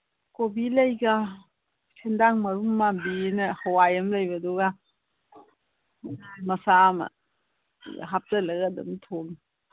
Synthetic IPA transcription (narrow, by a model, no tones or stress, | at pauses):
kobilɐjɡa | kʰendaŋmɐɾumːabinɐhawajɐmlajbɐduɡa | najmɐsamɐ̰ | ɦap̚tɐlɐɡadɐ̰mtʰoln